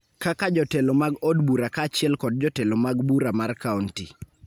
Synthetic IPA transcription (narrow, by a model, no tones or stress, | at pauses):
kakad͡ʒɔtelomaɡɔdbuɾakat͡ʃɪɛlkɔd̚d͡ʒɔtelomaɡbuɾamarkaunti